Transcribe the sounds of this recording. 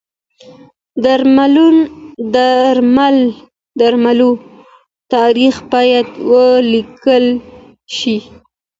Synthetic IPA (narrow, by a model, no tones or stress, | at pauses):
d̪aɾmalund̪aɾmal | d̪aɾmalu | t̪ɑɾixbɑjad̪wəlikəl | ʃi